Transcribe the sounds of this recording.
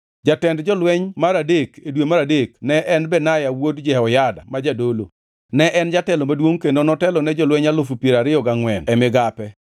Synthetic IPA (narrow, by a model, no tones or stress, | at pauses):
d͡ʒatɛndd͡ʒɔlwɛɲmaɾadekedwemaɾadeknɛʔɛnbɛnajawodd͡ʒɛɔjada̰mad͡ʒadolo̰ | nɛʔɛnd͡ʒatɛlomadwoŋkendonɔtɛlɔnɛd͡ʒɔlwɛɲalʊfupjeɾaɾɪjɔɡaŋwɛnɛmɪɡapɛ